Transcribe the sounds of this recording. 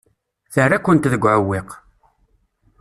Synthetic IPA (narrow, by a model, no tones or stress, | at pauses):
θərːakʷːənt̪ðəɡʷːʕəwːɪq